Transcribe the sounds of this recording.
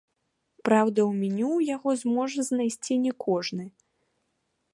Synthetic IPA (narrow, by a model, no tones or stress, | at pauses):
pɾawd̪ɐwmʲɛnʲuwjaɣɔzmɔʐɐznajsʲt͡sʲinʲɛkʰɔʐnɨ